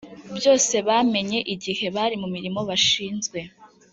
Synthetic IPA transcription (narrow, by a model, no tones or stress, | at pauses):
bjo̞ːse̞βaːme̞ɲe̞ʔiɟihe̞βaɾimumiɾimo̞βaʃiːnzɡwe̞